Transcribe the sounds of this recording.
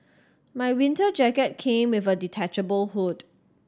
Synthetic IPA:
maɪwɪ̃ntəd͡ʒɛkət̚kʰẽmwɪvəditʰɛt͡ʃəbəlhut

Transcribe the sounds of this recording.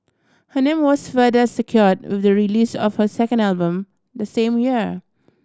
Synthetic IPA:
hənẽmwɔsfɜðəsəkʰjɔɹd̚wɪ̰ðəɹiliːsɔ̰fhəsɛkə̃ndalbə̃m | d̪əsẽmjiɹ

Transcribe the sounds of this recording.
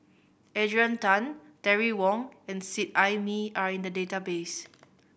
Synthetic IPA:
ʔɛdɹiãntãntɛɹiwɔ̃ŋɛ̃nsit̚ajmiaɹĩndədetabes

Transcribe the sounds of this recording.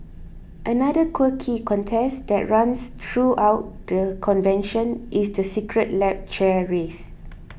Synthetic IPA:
ʔənadəkʰwəkʰikʰɔ̃ntʰɛsdɛʔ̚ɹãnst̪ʰɹuʔawt̚dəkʰɔ̃nvɛ̃nʃə̃nʔisdəsikɹət̚lɛp̚t͡ʃɛɹes

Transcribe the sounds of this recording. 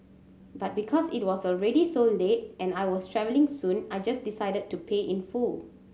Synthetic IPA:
bat̚bikʰɔsit̚wɔsɔlɹɛdisõndeʔ̚ʔɛ̃najwɔstʰɹɛvəlɪ̃ŋsũnajd͡ʒasdisaɪdəd̚tːupʰeʔĩnful

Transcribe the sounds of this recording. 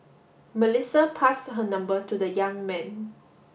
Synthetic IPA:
məlisəpʰastɦənãmbətudəjãŋmɛ̃n

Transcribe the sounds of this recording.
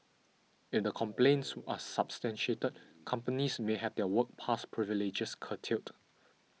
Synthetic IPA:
ɪfdəkʰɔ̃mplẽnsasapstɛ̃nʃietət̚kʰãmpənismeɦɛvdɛwək̚pʰaspʰɹiviled͡ʒəskʰətʰilt

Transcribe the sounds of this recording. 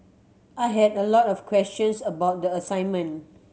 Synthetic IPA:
ʔaɪɦɛdəlɔtɔfkʰwɛst͡ʃə̃nsəbaʊt̚dəəsãɪ̃nmə̃n

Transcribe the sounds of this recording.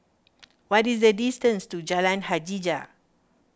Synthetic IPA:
wɔtisdədistə̃nstud͡ʒalãnhad͡ʒid͡ʒa

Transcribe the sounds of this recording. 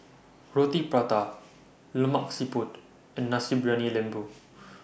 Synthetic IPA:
ɹot̪ipɹat̪a | ləmaksiput̪ | ɛ̃nːasibɹanilɛ̃mbu

